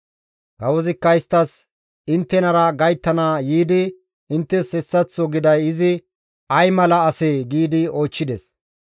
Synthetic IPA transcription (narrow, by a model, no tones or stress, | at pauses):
kɐwɔzɪkːɐɪst̪ːɐs | ɪnt̪ːɛnɐɾɐɡɐjt̪ːɐnaːjiːd̪ɪ | ɪnt̪ːɛshɛsːɐt͡sːɔɡɪd̪ɐjɪzɪ | ɐjmɐlɐɐseːɡiːd̪ɪo̞ːt͡ʃːɪd̪ɛs